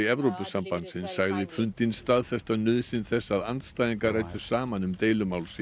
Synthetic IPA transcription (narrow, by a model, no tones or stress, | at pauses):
ɛvɾowpʏsampant̪sɪnsːaɣðɪfʏnt̪inst̪aðθɛst̪anʏðsɪnθɛsːaðant̪st̪ajðiŋkarajt̪ʏ̥saːmanʏmt̪eːjlʏmawls